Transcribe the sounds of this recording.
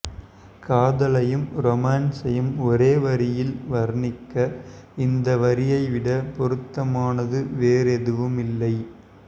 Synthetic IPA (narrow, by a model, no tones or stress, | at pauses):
kaːðɐlɐjɯmɾɔmaːnsɐjɯmɔɾeːʋɐɾɪjɪlʋɐɾnɪkːɐɪnd̪ɐʋɐɾɪjɐɪʋɪɽɐpɔɾɯt̪ːɐmaːnɐðɯʋeːɾɛðɯʋɯmɪlːɐɪ